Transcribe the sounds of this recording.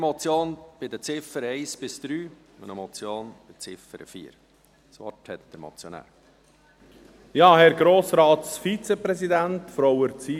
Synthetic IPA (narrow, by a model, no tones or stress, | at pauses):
mɔt͡sjoːnb̥ɪd̪ət͡sɪfəɾɛɪsb̥ɪsd̪̥ɾyː | ʊnəmɔt͡sjoːnb̥ɪt͡sɪfəɾə̰fiːɾ | sʋɔ̰ɾthɛt̪d̥̪əɾmɔ̰t͡sjonæ̰ːɾ | jɑːhɛɾɡɾoːsɾɑːt̪sfit͡sɛpɾɛzid̪ænt̪fɾɔowəɾt͡si